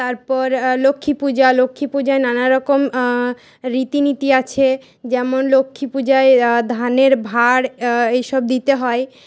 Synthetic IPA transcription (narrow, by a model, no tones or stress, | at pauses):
t̪aɾpɔɾlokʰːipud͡ʑalokʰːipud͡ʑaenanaɾɔkom | ɾit̪init̪iat͡ɕʰe | d͡ʑɛmonlokʰːipud͡ʑaed̪ʱaneɾbʱaɽejʃɔb̚d̪it̪eɦɔe